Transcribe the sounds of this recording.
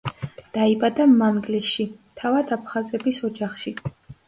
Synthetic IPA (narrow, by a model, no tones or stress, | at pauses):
d̪̥aibad̪amaŋɡliʃit̪ʰavad̪apʰχazɛbisɔd͡ʒaχʃi